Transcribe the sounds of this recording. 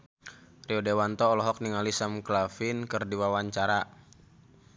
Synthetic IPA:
riɔdewant̪ɔːlɔɦɔk̚niŋalisamklafinkɨrdiwawaɲt͡ʃaɾa

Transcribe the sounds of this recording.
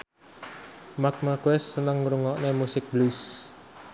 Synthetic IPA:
mak̚maɡwɛsːənəŋɾuŋɔʔnemusɪk̚blus

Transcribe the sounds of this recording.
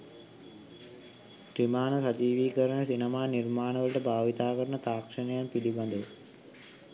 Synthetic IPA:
ɾimaːnəsad͡ʒiːʋiːkəɾəɳəsinəmaːnirmaːnəʋələʈəbʱaːʋit̪aːkəɾəɳət̪aːkʂənəjanpid̪iband̪ə

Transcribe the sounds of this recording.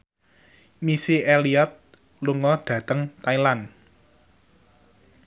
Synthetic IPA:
misiʔeliɔt̪̚ | luŋɔɖ̥ä̤t̪əŋt̪ailan

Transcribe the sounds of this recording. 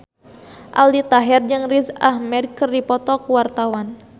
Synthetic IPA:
ʔa̰ldit̪aɦɛrd͡ʒɨŋrizahmɛdkərdipɔt̪ɔkuwart̪awan

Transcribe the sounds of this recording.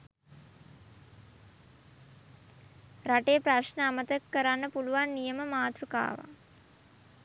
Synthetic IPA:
ɾaʈeəpɾaʃnəamət̪əkːəɾanːəpuluʋanːijəməmaːt̪ruka̰ːʋa̰

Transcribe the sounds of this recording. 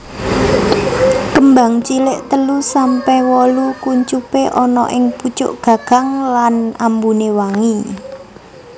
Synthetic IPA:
kəmba̤ŋt͡ʃilɪʔt̪əlusampɛhwɔlukuɲt͡ʃupeʔɔnɔʔɪŋput͡ʃʊ̰ʔɡ̥ä̤ɡ̥ä̤ŋlanambunewaŋi

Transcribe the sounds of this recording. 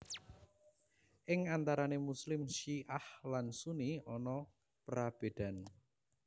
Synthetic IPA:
ʔɪŋant̪aɾanemuslɪmʃiʔahlansuniɔnɔ | pɾab̥e̤d̪̥a̤n

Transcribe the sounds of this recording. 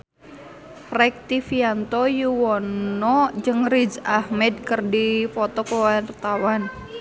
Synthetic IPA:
rɛk̚t̪ifiant̪ɔjuwɔnɔd͡ʒɨŋrid͡ʒahmɛd̪̚kərdifɔt̪ɔkəwart̪awan

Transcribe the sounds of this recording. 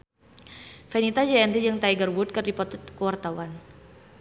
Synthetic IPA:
fɛnit̪ad͡ʒaɛnd̪id͡ʒəŋt̪aiɡərbʊt̪̚kərdipɔt̪t̪kəwart̪awan

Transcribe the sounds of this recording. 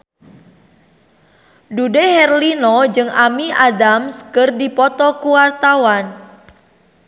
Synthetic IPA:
dudehɛrlinɔd͡ʒɨŋʔamiʔadamskɨrdipɔt̪ɔkuwart̪awan

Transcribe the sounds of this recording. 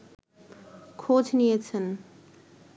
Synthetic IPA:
kʰoːd͡zʱnijet͡sʰən

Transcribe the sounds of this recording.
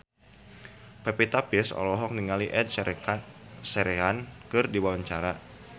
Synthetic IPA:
pɛpit̪apɪsɔ̰lɔɦɔk̚niŋaliʔɛd̚ | sɛɾɛɦankɨrdiwawaɲt͡ʃaɾa

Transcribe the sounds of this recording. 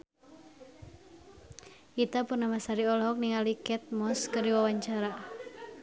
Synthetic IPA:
ʔit̪apurnamasaɾiɔlɦɔk̚niŋalikɛt̪̚mɔskəriwawaɲt͡ʃaɾa

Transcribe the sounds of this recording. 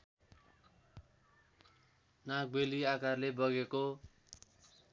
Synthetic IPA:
nak̚beliakarlebʌɡeko

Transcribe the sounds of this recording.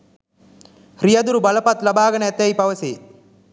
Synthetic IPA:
hɾijɐd̪uɾubɐlɐpɐt̪lɐbaːɡɐnɐɛt̪jɐjpɐʋɐsiː

